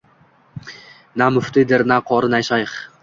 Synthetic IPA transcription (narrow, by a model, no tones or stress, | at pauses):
namʊft̪ɪd̪ɪɾnaqʰɒɾɨnajʃajχ